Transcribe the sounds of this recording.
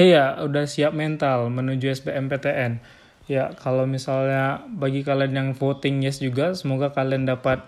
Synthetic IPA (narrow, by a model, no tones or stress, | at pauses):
jaudahsiap̚mɛnt̪almənud͡ʒuɛsbeɛmpet̪eʔɛn | jakalawmisalɲabaɡikalianjaŋfot̪ɪŋjɛsd͡ʒuɡasəmoɡakaliandapat̪̚